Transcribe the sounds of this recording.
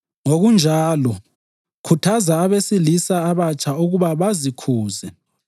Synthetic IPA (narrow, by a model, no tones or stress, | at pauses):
ŋoɣund͡ʒʱaːlɔ | kʰutʰazaːβesilisaːβat͡ʃʰʼauɣuβaβazikʰuːzɛ